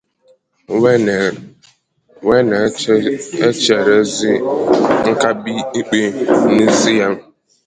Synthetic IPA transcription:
we˦ne˨ | e˦t͡ʃe˨ɾe˦zi˦ŋ̩˦ka˦bi˦i˦k͡pe˦ni˦zi˦ja˦m˦

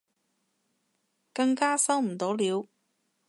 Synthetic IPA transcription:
kɐ˧ŋkaː˥sɐ˥wm̩˨˩t̪o˨˥wliː˨˧w

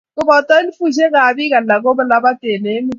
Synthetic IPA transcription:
kʊ˦bɔ˨tɔ˦li˦fu˦˨ʃ̬e˦ka˨bi˦ka˨lla˨ko˦bə˦˨la˦ba˦te˨ne˨˦mi˦

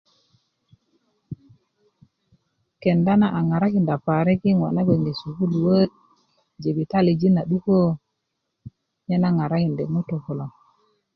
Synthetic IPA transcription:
ke˨nda˦na˦ʔa˨ŋa˨ɾa˦ki˨nda˨pa˨ɾe˦ki˦ŋwa̰˨na˦ɡe˨ŋɡe˨su˨ku˦lu˨wə˦t̚ | d͡ʒe˨bi˨ta˦˨li˨d͡ʒi˦na˨ɗu˦ko˦ | ɲe˦na˦ŋa˨ɾa˦ki˨nde˨mu˦to˨ko˨lo˨ŋ

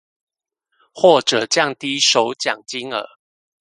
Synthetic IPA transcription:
xwɔ˥˨ʈ͡ʂə˨˩t͡ɕjɑ˥˨ŋt̪i˦ʂo˨˦ʊt͡ɕjɑ˨˩ŋt͡ɕi˦ŋə̰˨˦

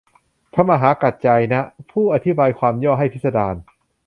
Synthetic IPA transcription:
pʰa˦˥maː˧ɦaː˩˦ka˨˩t̪̚t͡ɕa˧jna˦˥ʔpʰuː˥˩ʔa˧t̪ʰi˦˥baː˧jkʰwaː˧mjɔː˥˩ɦa˥˩jpʰi˦˥t̪̚sa˧daː˧n

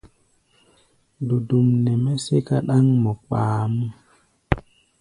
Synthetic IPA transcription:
du˨du˨mnɛ˨mɛ˦se˦ka˦ɗa˦ŋmo˨ɓaː˨mu˦

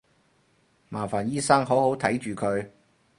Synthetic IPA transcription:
maː˨˩faː˨˩njiː˥sɐ˥ŋɦo˨˥who˨˥wt̪ʰɐ˨˥jt͡ʃyː˨kʰɵ˨˧ɥ

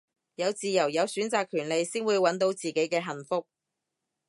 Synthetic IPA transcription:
jɐ˨˧wt͡siː˨jɐ˨˩wjɐ˨˧wsyː˨˥nt͡saː˨kʰːyː˨˩nle˨˧jsiː˥nwuː˨˧jwɐ˨˥nt̪o˨˥wt͡siː˨ke˨˥jkɛː˧ɦɐ˨˩nfʊ˥k̚

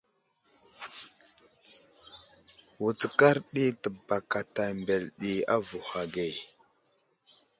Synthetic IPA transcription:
wu˨t͡sə˨ka˦ɾɗi˦tə˨ba˨ka˨ta˨mbe˨lɗi˨a̰˦vu˨ha˨ɡe˨

